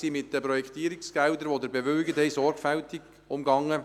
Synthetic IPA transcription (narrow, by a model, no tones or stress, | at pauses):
siːmɪt̚d̥əpɾɔjɛkʰt̪iːɾɪksɡ̥ɛldəɾʋod̪əɾbɛʋœːɡəthɛɪsɔɾɡ̥fɛltɪɡ̥ | ʊmɡɑŋə